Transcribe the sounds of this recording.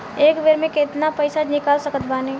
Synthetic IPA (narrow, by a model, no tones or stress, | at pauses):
eːkbeɾmẽket̪napəɪsad͡ʒnɪkaːlsəkət̪baːne